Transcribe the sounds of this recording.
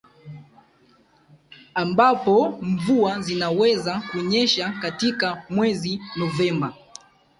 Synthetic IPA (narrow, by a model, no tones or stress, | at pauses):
ambapɔɱvuazinawɛzakuɔɲɛʃakatikamwɛzinɔvɛmba